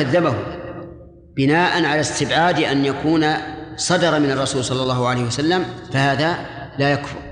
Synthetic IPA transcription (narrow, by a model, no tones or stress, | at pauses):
aðːabahʊ | b̥ɪnaːʔanʕalast̪ɪbʕaːd̪ʔanjakuːnasˤɑd̪ɑɾˤɑmɪnɑrˤːɑsuːlsˤɑlːɑlˤːɑːhʊʕalejhwasalːamfahaːða | laːjakfʊ̰ɾ